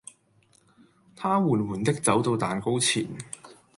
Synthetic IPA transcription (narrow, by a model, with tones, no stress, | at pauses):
t̪ʰaː˥wuː˨˩nwuː˨˩nt̪ɪ˥k̚t͡sɐ˨˥wt̪o˧wt̪aː˨nko˥wt͡sʰḭː˨˩n